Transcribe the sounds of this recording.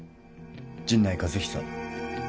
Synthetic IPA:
d͡ʑĩnːaikazɨçʲi̥sa̰

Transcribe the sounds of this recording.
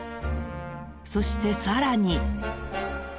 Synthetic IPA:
so̞ɕi̥t̪e̞saɾaɲ̟i

